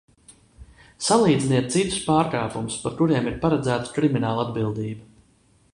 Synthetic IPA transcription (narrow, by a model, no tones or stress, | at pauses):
salˠiːd̪ziniɛt̪̚sit̪u̥spaːɾkaːpumspaɾkuɾiɛmiɾpaɾad̪zæːt̪ḁkɾiminaːlˠad̪bilˠd̪iːba